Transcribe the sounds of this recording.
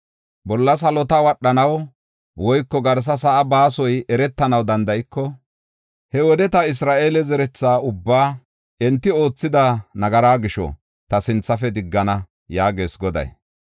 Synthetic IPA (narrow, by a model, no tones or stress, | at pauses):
bɔlːɐs̬ɐlɔt̪ɐwɐɗːɐnɐw | wɔjkːɔɡɐɾs̬ɐs̬ɐʔɐbaːsɔjɛɾɛt̪ːɐnɐwd̪ɐnd̪ɐjɪkːɔ | hɛwɔd̪ɛt̪ɐɪs̬ɾaːʔe̞ːlɛzɛɾɛt͡sːaːʊbːaː | ɛnt̪ːɪo̞ːt͡sːɪd̪ɐnɐɡɐɾaːɡɪʃɔ̰ | t̪ɐsɪnt͡sːɐfɛd̪ɪɡːɐnɐ | jaːɡe̞ːsɡɔd̪ɐ̰j